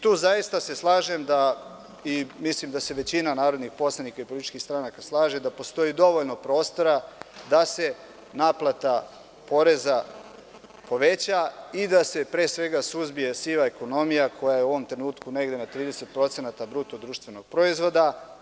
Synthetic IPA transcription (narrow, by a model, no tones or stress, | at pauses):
t̪uːzajist̪ase̞slˠaːʒe̞md̪a | imislimd̪ase̞ʋe̞t͡ɕinanaːɾo̞d̪nixpo̞slˠanikaipolit̪i̥t͡ʃkist̪ɾanakaslˠaːʒed̪apo̞st̪o̞jid̪o̞ʋo̞ʎno̞pɾo̞ːst̪o̞ɾad̪ase̞ | naːplˠat̪a | po̞ɾe̞za | po̞ʋe̞t͡ɕaid̪ase̞pɾeːsʋe̞ɡasuzbije̞siʋaeko̞no̞mijakʰo̞jajeuo̞ʋo̞mt̪ɾenuːt̪kune̞ɡd̪e̞nat̪ɾiːd̪e̞set̪̚pɾo̞t̪se̞nat̪abɾut̪od̪ɾuːʃt̪ʋe̞no̞ɡ̥̚pɾo̞izʋo̞d̪a